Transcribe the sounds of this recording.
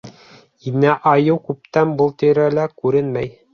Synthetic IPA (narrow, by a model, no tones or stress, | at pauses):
inːæʔɑjɤwkʉp̚t̪ænbɤlˠt̪ɘ̆ɾælækʉɾɘnmæj